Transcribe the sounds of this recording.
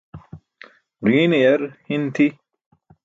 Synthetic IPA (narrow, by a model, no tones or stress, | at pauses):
ɾiːnejɐɾhint̪ʰi